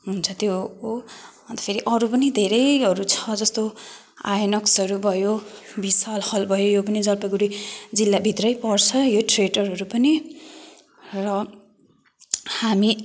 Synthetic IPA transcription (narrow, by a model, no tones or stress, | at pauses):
ɦunt͡sʰʌt̪jo | ʌnt̪ʌ̥pʰeɾiʔʌɾupʌnid̪ʱeɾʌjʌɾut͡sʰʌd͡zʌst̪o | ajʌnʌksʌɾubʱʌjo | bisalhʌlbʱʌjojopʌnid͡zʌrpʌɡuɾid͡zilːabʱit̪rʌjpʌrt͡sʰʌjoʈreɖʌrɦʌɾupʌni | rʌ | hami